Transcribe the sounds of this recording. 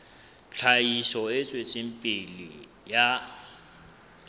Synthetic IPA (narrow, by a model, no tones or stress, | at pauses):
t͡ɬʰaiʃɔɪt͡sʼwet͡sʼim̩pʼɪlḭ | ja